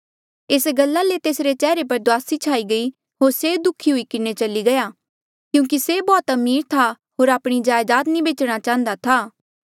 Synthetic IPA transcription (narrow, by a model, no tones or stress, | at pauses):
eːsɡɐlːalet̪eːsɾet͡ʃɛːɾep̬ɐɾd̪ʊaːsit͡ʃʰaːiɡɐi | ɦoːɾseːd̪ʊkʰiɦʊikɪnet͡ʃɐliɡɐjaː | kjũːŋk̬isebɔːt̪ɐmiːɾt̪ʰa | ɦoːɾaːpɽ̃id͡ʒaːjd̪aːt̪nĩbeːt͡ʃɽ̃at͡ʃãːnd̪at̪ʰaː